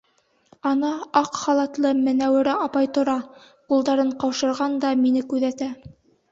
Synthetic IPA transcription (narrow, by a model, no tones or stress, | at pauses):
ɑnɑɑqχɑlˠɑt̪lˠɤmɘ̆næwɘ̆ɾæɑpɑjt̪ŏɾɑ | qulˠd̪ɑɾɤɴqɑwʃɤ̆ɾʁɑnd̪ɑminɘkʉðæt̪æ